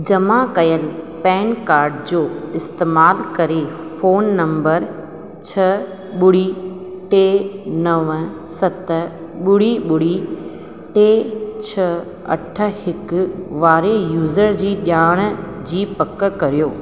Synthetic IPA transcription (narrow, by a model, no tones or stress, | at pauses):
d͡ʑɐmãkɐjəlɪpɛ̃ːnkaːɾɖd͡ʑoːɪst̪eːmaːlkɐɾe | foːnːɐ̃mbəɾ | t͡ɕʰɐ | ɓʊɽi | ʈeːnɐʋ | sɐt̪ | ɓʊɽiɓʊɽi | ʈeːt͡ɕʰɐ | ɐʈʰə̆hɪkʊʋaːɾejuːzəɾd͡ʑiːɗjaːɽ̃d͡ʑiːpɐkkɐɾijoː